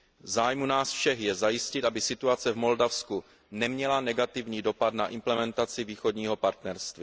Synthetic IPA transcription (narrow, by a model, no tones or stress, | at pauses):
zaːjmunaːsfʃɛxjɛzajɪscɪt̪ʔabɪsɪt̪uat͡sɛvmo̞ldafsku | nɛmɲɛlanɛɡat̪ɪvɲiːdo̞pat̪naʔɪmplɛmɛnt̪at͡sɪviːxo̞dɲiːɦo̞paɾt̪nɛɾst̪vi